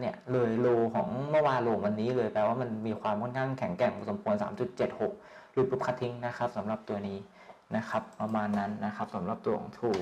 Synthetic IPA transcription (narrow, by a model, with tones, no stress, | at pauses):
ni˥˩ɐlɤː˧jloː˧kʰɔː˩˦ŋmɯ˥˩waː˧nloː˧wa˧nːiː˦˥lɤː˧jpɛː˧waː˥˩ma˧nmiː˧kʰwaː˧mkʰo˥˩nkʰa˥˩ŋkʰɛ˩˦ŋkɛ˨˩ŋu˨˩so˩˦mkʰu˧ənsa̰ː˩˦mt͡ɕu˨˩t̪̚t͡ɕe˨˩t̪̚ho˨˩k̚ | ɾɯː˨˩˦pʰu˦˥p̚kʰa˦˥t̪ʰːi˧˥ŋna˦˥kʰa˦˥p̚sa˩˦mɾa˨˩p̚t̪u˧ɐniː˦˥ | na˦˥kʰa˦˥pːɾa˧maː˧nːa˦˥nːa˦˥xʰa˦˥p̚sa˩˦mɾa˨˩p̚t̪u˧əkʰɔ̰ː˨˦ŋt̪ʰuː˨˩